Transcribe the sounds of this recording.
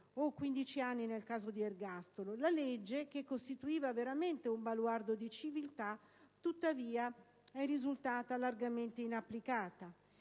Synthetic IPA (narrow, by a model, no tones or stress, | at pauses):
okːwind̪it͡ʃianːinelkaːzod̪ierɡast̪ololaled͡ʒːekekːost̪it̪uiːvaveɾament̪eumbalward̪od̪it͡ʃivilt̪a | t̪ut̪ːaviːa | ɛrːizult̪aːt̪alarɡament̪einapːlikaːt̪a